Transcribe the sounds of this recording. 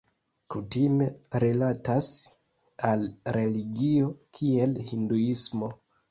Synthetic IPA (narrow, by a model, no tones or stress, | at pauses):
kutime̞ɾilatas | alɾe̞liɡio̞kʰie̞lhinduismo̞